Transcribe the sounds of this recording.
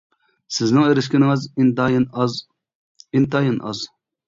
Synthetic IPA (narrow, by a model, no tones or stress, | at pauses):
sɪznɪŋeɾɪs̬kʲinɪŋɨzn | int̪ʰɑjinʔɑ̰z